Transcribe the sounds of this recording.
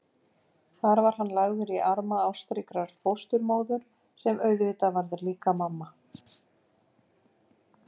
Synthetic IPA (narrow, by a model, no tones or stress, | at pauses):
θaɾvaɾ̥ɦanːlaɣðʏɾiʔaɾmaawst̪ɾɪkɾaɾ̥fowst̪ʏɾmoːwðʏɾ̥ | sɛmœːɥðvɪt̪avaɾðʏɾliːkamamːa